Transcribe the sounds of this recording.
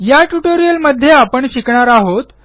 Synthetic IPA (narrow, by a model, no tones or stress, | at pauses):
jaʈuʈoɾijəlməd̪ʱːjeapəɳɕikɳaɾaɦot̪